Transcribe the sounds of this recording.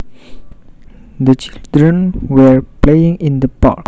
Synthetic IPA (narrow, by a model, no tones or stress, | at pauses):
d̪ət͡ʃildɹə̃nwəɹplejĩŋĩnd̪əpɔ̰